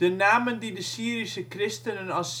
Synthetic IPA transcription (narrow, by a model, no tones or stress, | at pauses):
d̥ənaːməndidəsiːɾisəkrɪstənənɑs